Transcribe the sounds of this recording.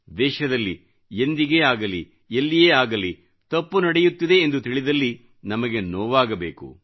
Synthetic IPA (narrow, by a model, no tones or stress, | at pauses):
d̪ɛːʃɐd̪ɐlːi | end̪iɡeːaːɡɐlḭ | elːijeːaːɡɐli | t̪ɐpːunɐɽejut̪ːid̪e̞ːnd̪ut̪iɭid̪ɐlːi | nɐmɐɡenoːʋaːɡɐbeːkṵ